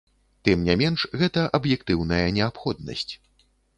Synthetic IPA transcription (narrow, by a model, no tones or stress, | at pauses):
t̪ɨmnʲɛmʲɛnʂɣɛt̪ɐʔɐbjɛkt̪ɨwnɐjɐnʲɛapxɔd̪nɐ̰sʲt͡sʲ